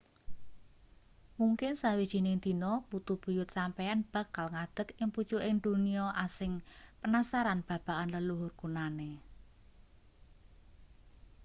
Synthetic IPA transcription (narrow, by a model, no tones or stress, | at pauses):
muŋkɪnsawid̥ʒ̥i̤nɪŋd̪̥i̤nɔbut̪ub̥ṳjʊt̪̚sampɛanb̥a̤kalŋad̪̥ə̤kɪŋpu̥t͡ʃuʔɪŋd̪̥uniɔʔasɪŋpənasaɾanb̥ä̤b̥a̤ʔanləluɦʊrkunane